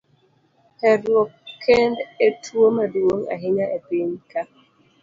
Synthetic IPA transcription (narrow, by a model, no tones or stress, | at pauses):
hɛɾokʰːɛndetʰwomaduoŋa̰ɦiɲaʔepiɲka